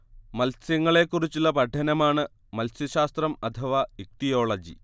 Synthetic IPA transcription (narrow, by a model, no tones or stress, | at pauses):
mɐlsjɐŋːɐɭe̞kːurit͡ɕːuɭːɐpɐʈʰːɐnɐmaːɳɨ | mɐlsjɐɕaːst̪rɐmɐt̪ʰɐʋɐik̚ʈijo̞ːɭɐd͡ʑḭ